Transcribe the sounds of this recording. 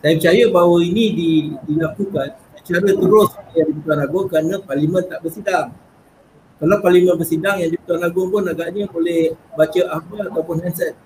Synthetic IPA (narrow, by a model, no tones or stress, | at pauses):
daimpət͡ʃajəbawəinĩdidilakukansət͡ʃaɾət̪əɾʊsjaŋdip̬ət̪uanlaɡʊŋkəɾanə̃parlimə̃nt̪aʔbərsidaŋ | kalawparlimənbərsidaŋjaŋdiput̪uɦanlaɡʊŋpʊnaɡaʔɲə̃bolɛhbat͡ʃəaɦməat̪awpʊnhansɛt̪̚